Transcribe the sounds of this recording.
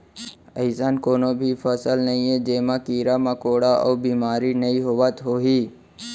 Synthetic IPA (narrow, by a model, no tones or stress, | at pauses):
əɪsankoːnobʱifʰəsəlnɐɦĩẽd͡ʒeːmãkiːɾamakoːɽaʔɔ̰ːbiːmaːɾinɐiɦoʋət̪ɦoːɦiː